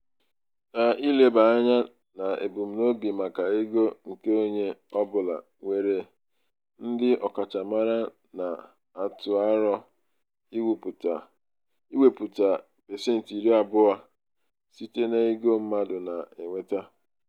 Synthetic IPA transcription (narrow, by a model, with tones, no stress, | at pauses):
na˨i˦le˨ba˨a˦ɲa˦ | na˨ḛ˨bu˨m̩˨no˦bi˨ma˨ka˨i˦ɡo˦ŋ̩˨ke˦o˦ɲe˦ɔ˦bʊ˨la̰˨ | ŋʷe˨ɾe˦ | n̩˦dɪ˦ʔɔ˨ka˨t͡ʃa˨ma˦ɾa˦ | na˨ | a˨tʊ˨a˦ɾɔ˦ | i˦wu˨pu˨ta˨ | i˦we˨pu˨ta˨ | be˨sɪ˦n̩˨ti˨ɾi˦a˨bʊ˦a˦ | si˦te˦ne˦i˦ɡo˦m̩˦ma˦dʊ˨na˨e˨ŋʷe˦ta˦